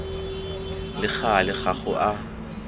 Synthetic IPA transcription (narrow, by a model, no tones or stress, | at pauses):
lɪχalɪχaχʊʔa